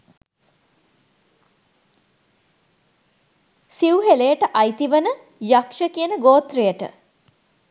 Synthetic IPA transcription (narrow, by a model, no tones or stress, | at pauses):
siwɦelejəʈəʔajt̪iʋənə | jakʂəkiənəɡoːt̪rejəʈə̰